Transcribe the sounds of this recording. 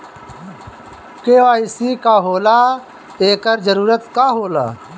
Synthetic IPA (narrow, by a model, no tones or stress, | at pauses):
keːʋaːɪsikaːɦoːlaː | eːkəɾd͡ʒəɾuːɾət̪kaːɦoːla̰ː